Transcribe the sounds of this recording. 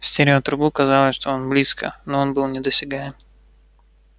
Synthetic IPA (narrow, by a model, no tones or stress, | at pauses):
fsʲtʲeɾʲɪot̪ɾʊbukɐzɑlˠəsʲʂt̪o̞onblʲiskə̰noonbɨlˠnʲɪd̪əsʲɪɡaɪm